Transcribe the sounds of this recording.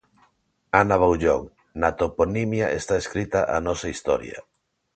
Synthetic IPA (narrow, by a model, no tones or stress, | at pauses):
anaβ̞awʎo̰ŋ | nat̪oponimjaʔest̪aeskɾit̪aʔanɔsaist̪ɔɾjɐ̰